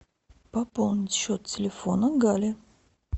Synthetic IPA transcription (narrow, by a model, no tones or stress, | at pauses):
pɐpolˠnʲɪtʲɕːot̪tʲɪlʲɪfonəɡalʲɪ